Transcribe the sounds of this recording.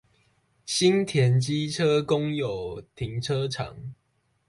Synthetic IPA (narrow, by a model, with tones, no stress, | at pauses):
ɕi˦nt̪ʰjɛ˨˦nt͡ɕi˦ʈ͡ʂʰə˦kʊ˦˥ŋjo˨ʊt̪ʰi˨˦ŋʈ͡ʂʰə˦ʈ͡ʂʰɑ̰˨˩˦ŋ